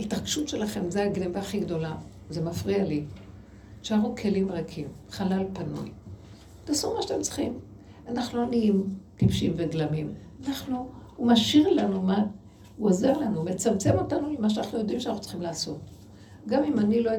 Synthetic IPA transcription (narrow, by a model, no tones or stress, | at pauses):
itaʁɡʃutʃelaχe̞mzeaɡnevaːχiɡdo̞la | zemafʁiali | ʃeaʁukʰe̞limʁakʰimχalalpanṵj | t̪asomaʃatemt͡sχim | anaχnuaniimtifʃimveɡlamim | anaχnuːmaʃiʁlanuman | uazaʁlanumet͡samt͡se̞mo̞tanulemaʃ̬anaχnujo̞d̪imʃanaχu̥t͡sχimlaːsot | ɡamimanilo